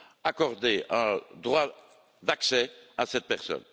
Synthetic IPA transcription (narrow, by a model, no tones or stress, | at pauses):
akɔʁd̪eɛ̃d̪ʁwa | d̪aksɛasɛt̪̚pɛʁsɔ̰n